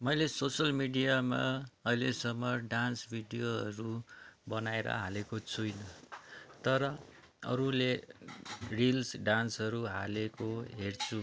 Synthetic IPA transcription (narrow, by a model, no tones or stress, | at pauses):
mʌjlesosʌlmiɖijama̰ʌjlesʌmːʌɖansbʱiɖijoɦʌ̰ɾubʌnaeɾʌ̰ɦalekot͡sʰujnʌt̪ʌɾʌ | ʌ̰ɾule | rilsɖansɦʌɾuɦa̰lekoɦert͡sʰu